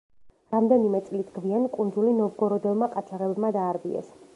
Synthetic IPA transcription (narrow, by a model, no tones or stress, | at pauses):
ɾamd̪ɛnimɛt̪sʼlid̪ɡviankʼund̪zulinɔvɡɔɾɔd̪ɛlˠmaqʼatt͡ʃʰaʁɛbɛbmad̪aːɾbḭɛ̰s